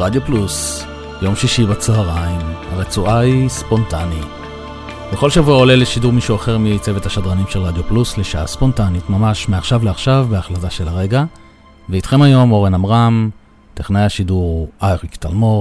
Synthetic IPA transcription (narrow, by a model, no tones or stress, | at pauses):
ʁadjoplus | jo̞mʃiʃibat͡soaʁaimhaʁet͡suʔaispo̞ntani | keχo̞lʃavuao̞le̞leʃiduʁmiʃuaχeʁmit͡se̞vethaʃadʁanimʃe̞lʁad̪jo̞plusleʃaa̰spo̞ntanitmamaʃmeaχʃavleaχʃavbeaχlazaʃe̞laʁe̞ɡa | veit̪χe̞majo̞mo̞ʁenamʁam | t̪eχnajaʃiduʁajʁikt̪a̰lmo̞